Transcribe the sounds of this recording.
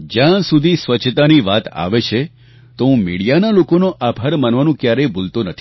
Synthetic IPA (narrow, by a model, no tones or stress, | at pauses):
d͡ʒjãsud̪ʱisʋət͡ʃʰt̪aniʋat̪a̰ʋet͡ʃʰe | t̪oũmiɽijanalokonoʔabʱaɾmanʋanũkjaɾebolt̪onət̪ʰi̥